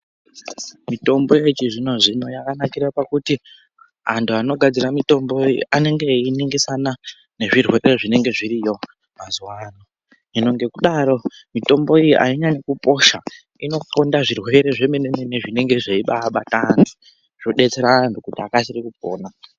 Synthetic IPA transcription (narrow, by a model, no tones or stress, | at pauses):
mito̞mbo̞et͡ʃiʐino̞ʐino̞jakanakirapakuti | a̰ntʰuano̞ɡʱad͡ziɾamito̞mbo̞iʔane̞ŋɡe̞iniŋɡisana | ne̞ʐirwe̞ɾe̞ʐine̞ŋɡe̞ʐiɾijo̞ | mazuwano | ino̞ŋɡe̞kuɗaɾo̞ | mito̞mbo̞ijiʔa̰iɲaɲekupo̞ʃa̰ | ino̞kondaʐirwe̞ɾe̞ʐe̞meneneneʐine̞ŋɡe̞ʐeiɓaɓa̰tani | ʐ̥oɗe̞t͡se̞ɾaːntukutiakasirikupo̰ːna